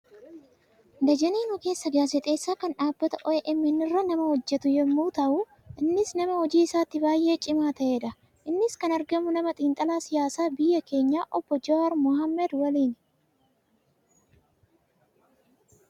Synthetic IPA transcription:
d̪ɐd͡ʒɐniːnʊke̞ːsːɐɡaːsɛt̪ʼe̞ːsːaːkɐnᶑaːbːɐt̪ɐʔɔʔɛʔɪmːɪnːɪrːɐnɐmɐhɔd͡ʒːɛt̪ʊjɛmːuːt̪ɐʔʊ | ʔɪnːɪsnɐmɐhɔd͡ʒiːɪsaːt̪ːɪbaːjʔe̞ːt͡ʃʼɪmaːt̪ɐʔeːᶑɐ | ʔɪnːɪskɐnɐɾɡɐmʊnɐmɐt̪ʼiːnt̪ʼɐlaːsɪjaːsaːbɪjːɐke̞ːɲːaːʔɔbːɔd͡ʒɔɐɾmʊhɐmːɛd̪wɐliːn

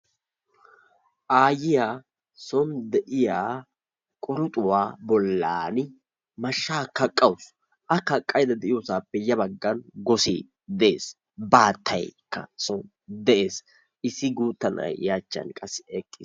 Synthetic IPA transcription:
ʔaːjɪjaː | sɔnd̪ɛʔɪjaː | kʼɔɾʊt̪ʼʊwaːbɔlːaːnɪ | mɐʃːaːkɐkʼːɐwʊs | ʔɐkɐkʼːɐjd̪ɐd̪ɛʔɪjoːsaːpːɛjːɐbɐɡːɐnɡɔsḭː | d̪ɛʔeːs | baːt̪ʰːɐ̰jkːɐ̰sɔn | d̪ɛʔeːs | ʔɪsːɪɡuːt̪ːɐnɐ̰jjaːt͡ʃːɐ̰nkʼɐsːɛkʼːɪs

